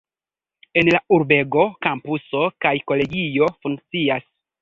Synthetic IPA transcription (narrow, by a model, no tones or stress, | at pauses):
e̞nlauɾbe̞ɡo̞kampuso̞kajko̞le̞ɡijo̞fuŋk̚t͡sias